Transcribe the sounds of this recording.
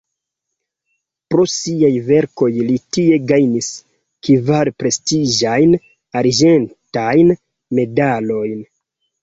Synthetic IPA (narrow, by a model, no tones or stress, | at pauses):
pɾo̞siajve̞ɾko̞jlitie̞ɡajnis | kivaɾpɾe̞stiʒajn | aɾd͡ʒe̞ntajn | me̞dalo̞jn